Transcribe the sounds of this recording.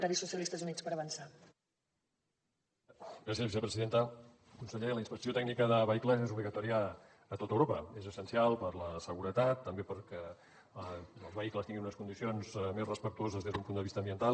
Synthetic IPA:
ɾaβisːusiəlist̪əzunispəɾəβənsa | ɡɾas̬iəzβisəpɾəziðent̪ə | kunsəʎeləinspəksiot̪ɛɡ̚nikəðəβəikləzezuβliɣət̪ɔɾiəː | t̪ot̪əwɾopəezəsənsialˠpəɾləsəɣuɾət̪at̪ːəmbepəɾkɛ | əlˠzβəikləst̪iŋɡinunəskund̪isionzmezrəspəkt̪uozəzðezðumpund̪əβist̪əmbiənt̪al

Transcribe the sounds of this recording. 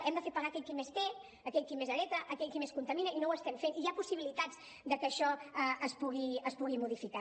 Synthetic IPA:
ʔɛmd̪əfepəɣaːkɛʎkimest̪e | əkɛʎkimezəlɛt̪əʔəkɛʎkimeskunt̪əminəinowəst̪ɛmfeniapusiβilit̪ad͡z | d̪əkəʃɔəʔəspuɣiəspuɣimuðifika

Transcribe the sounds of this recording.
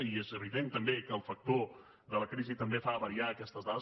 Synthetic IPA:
iezəβiðent̪əmbekəːlˠfək̚t̪o | ðələkɾizit̪əmbefaβəɾiaəkɛst̪əzðaðə

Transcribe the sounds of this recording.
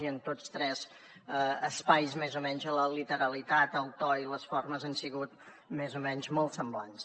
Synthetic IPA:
iənt̪ost̪ɾɛz̥ | əəspajzmezumɛɲzələlit̪əɾəlit̪at̪əlˠt̪ɔiləsforməzənsiɣut̪ | mezumɛnzmolˠt̪səmblans

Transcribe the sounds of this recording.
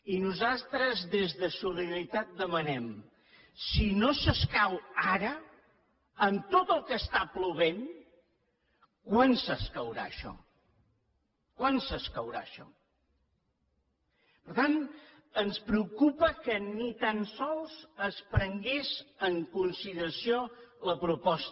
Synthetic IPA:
inuzalˠt̪ɾəzðezðəsuliit̪at̪̚d̪əmənɛm | sinosəskawaɾə | ənt̪ot̪əlˠkəst̪apluβ̞en | kwansəskəwɾa̰əʃɔ̰ | kwansəskəwɾa̰əʃɔ̰ | pəɾt̪an | ənspɾəukupəkənit̪ansɔlˠzəspɾəŋɡezəŋkunsiðəɾəsioləpɾupɔst̪

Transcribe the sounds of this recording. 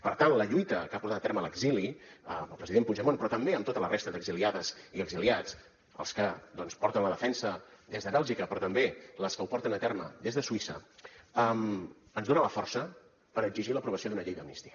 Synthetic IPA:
pəɾt̪anləʎujt̪əkapuɾt̪at̪ət̪ɛɾmələɡziliəməlˠpɾəziðempuʒəmonpɾɔt̪əmbeəmt̪ot̪ələrest̪əðəɡziliaðəziəɡziliat͡s | ə̰lˠskəd̪ɔnspɔɾt̪ənləðəfɛnsəd̪ezðəβɛlˠʒikəpɾɔt̪əmbeləskəupɔɾt̪ənət̪ɛɾmə̰d̪ezðəsuisə̰əm | ənzðonələfɔrsə | pəɾəɡziʒiləpɾuβəsioðunəʎejðənist̪i̥ə

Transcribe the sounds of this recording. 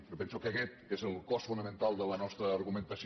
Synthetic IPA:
opɛnsukəkɛt̪ezəlˠkɔsfunəmənt̪alˠd̪ələnɔst̪ɾəːɾɣumənt̪əs

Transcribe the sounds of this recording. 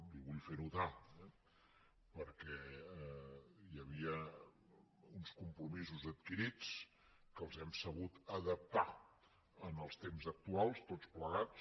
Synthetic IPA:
liβuʎfenut̪aɛ | pəɾkɛ | jəβ̞iə | unskumpɾumizuzət̪̚kiɾit͡s | kəlˠzɛmsəβut̪əðəp̚t̪a | ənəlˠst̪emzək̚t̪ualˠst̪ot͡spləɣa

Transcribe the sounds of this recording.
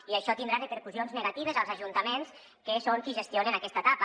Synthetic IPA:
iaʃɔt̪ind̪ɾarəpeɾkuzionzneɣat̪iβezalˠzaʒunt̪amens | kesoŋkiʒəst̪ionenakɛst̪at̪ap

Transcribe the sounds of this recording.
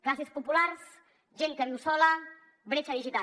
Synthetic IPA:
ɡɾasispɔpulars | d͡ʒɛnkanusola | bəɾet͡ʃad̪id͡ʒit̪a

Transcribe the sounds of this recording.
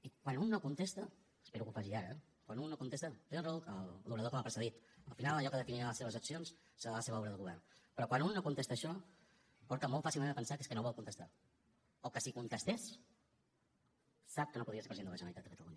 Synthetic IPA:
ikwanunːokunt̪est̪ə | speɾukufaʒiaɾəɛ | kwanunnːokunt̪est̪ət̪eərəuəlduβɾəðokəmapɾsəðit̪əlˠfinalˠəʎɔkəðəfiniələseβəzəksions | səðaaləseβəɔβɾəðəlɣuβɛrnpəɾɔkwanunːokunt̪est̪əːʃɔ | pɔɾt̪əmolˠt̪fasilˠmẽnəpənsakeskənoβɔlˠkunt̪əst̪a̰ | okəsikunt̪əst̪es | sap̚kənopuðɾiəsepɾəzienələʒənəlit̪at̪əkət̪əlṵɲə

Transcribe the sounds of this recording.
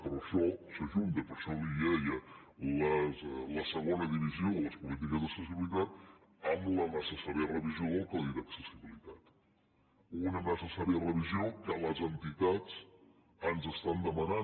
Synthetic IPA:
pəɾəʃɔsəʒunt̪əpəɾʃɔliɛjə | ləzləsəɣonəðiβizioləspulit̪̬ikəzðəksəs̬iβilit̪at̪ | əmlənəsəsaɾiərəβizioðəlˠkəliɾəksəsiβilit̪at̪ | unənəsəsaɾiərəβiziokələzənt̪it̪at͡s | ənzəst̪and̪əməna

